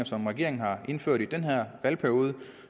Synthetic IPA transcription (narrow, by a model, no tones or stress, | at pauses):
ɐsɒ̽mʁɛɡ̥e̝ɐeŋn̩hɑ̈ʔe̝nføɐ̰ɾ̥id̥enɦæɐ̰ʋælpʰæɐjo̝ːð̞ˠə